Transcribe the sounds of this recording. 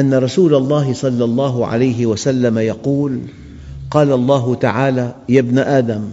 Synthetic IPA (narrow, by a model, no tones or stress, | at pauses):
ʔanːaɾˤɑsuːlalˤːɑːɦɪsˤɑlːɑlˤːɑːɦʊʕa̰lajɦɪwasalːamajɑquːl | qɑːlɑlˤːɑːɦʊt̪aʕaːlaːjabnaʔaːd̪am